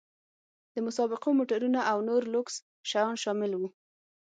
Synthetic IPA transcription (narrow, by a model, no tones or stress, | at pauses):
d̪̥əmʊsɑbɪqomoʈaɾunaʔawnoɾlʊks | ʃajɑnʃɑmɪlwu